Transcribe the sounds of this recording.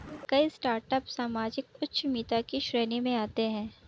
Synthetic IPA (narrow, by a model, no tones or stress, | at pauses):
kɐisʈaːɾʈəpsaːmaːd͡ʒɪkʊtːʃʰmiːt̪akiʃɾeːnimẽaːt̪eɦɛ̃ː